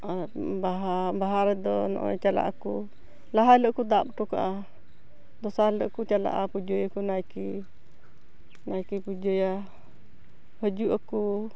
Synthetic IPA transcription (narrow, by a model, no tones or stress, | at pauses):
abaɦabaɦaɾɛd̪ɔnɔ̰ʔɔ̰t͡ʃala̰ʔaku | laɦaləkud̪ap̚ʈɔka̰ʔa | d̪ɔsaləʔkut͡ʃala̰ʔapud͡ʒɔjakunajki | najkipud͡ʒɔja | həd͡ʒuʔaku